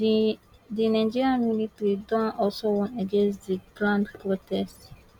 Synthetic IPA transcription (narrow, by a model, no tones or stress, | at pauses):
dinãd͡ʒiɹiãnmjunitɹidɔ̃nɔlsowɔ̃ntaɡẽns̬diɡɹãndpɹotʰɛst